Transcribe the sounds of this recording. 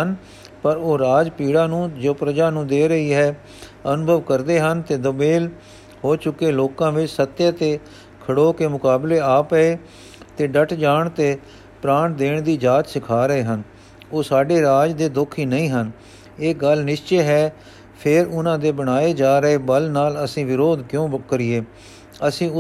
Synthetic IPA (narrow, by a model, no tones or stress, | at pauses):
ən | pəɾoːɾaːd͡ʒpiːɽãːnũːd͡ʒoːpɾəd͡ʒaːnũːd̪eːɾəiːɦɛː | ənʊbʱəʋkəɾd̪eːɦənt̪eːd̪əbeːl | hoːt͡ʃʊkːeːloːkãːʋɪt͡ʃsət̪ːjaːt̪eː | kʰəɽoːkeːmʊkaːbleːaːpəeː | t̪eːɖəʈʰd͡ʒaːɳt̪eː | pɾaːɳd̪eːɳd̪iːd͡ʒaːt͡ʃ̪sɪkʰaːɾəeːɦən | oːsaːɖeːɾaːd͡ʒd̪eːd̪ʊkʰiːnəĩːɦən | eːɡəlnɪʃt͡ʃeːɦɛː | pʰɪɾʊnãːd̪eːbəɽ̃aːeːd͡ʒaːɾəeːbəlnaːləsĩːʋɪɾoːd̪kjõːkəɾɪeː | əsĩːʊ